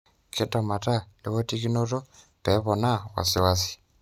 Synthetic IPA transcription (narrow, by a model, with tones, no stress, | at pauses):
kʰi˦ta˨ma˨ta˦li˦βo˦ti˦ki˦no˦to˦ | pe˨˦βo˨na˦wa̰˨si˦wasi̥